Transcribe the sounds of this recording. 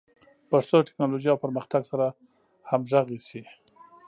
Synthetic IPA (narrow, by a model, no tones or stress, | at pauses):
paʂt̪oʈɪ̥knɑloʒjawpəɾməxt̪aɡsaɾa | hamʒaɣisi